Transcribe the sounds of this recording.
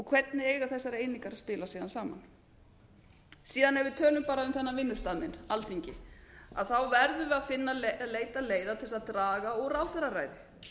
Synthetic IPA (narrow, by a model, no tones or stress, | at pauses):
ɔɣkʰv̥ɛt̪nɪeːjɣaθɛsːaɾeːjniŋkaɾaspɪːlasiːðansaːma̰n | siːðanɛvɪt̪ʰœːlʏmpaːɾaʏmθɛnːavɪnːʏst̪aðmɪnalt̪ʰiɲcɪa̰ðθawvɛɾðʏvɪaðfɪnːalleːjt̪aleːjðat̪ʰɪlɛsaðt̪ɾaːɣaɔɣraːwθɛɾara̰ːjðɪ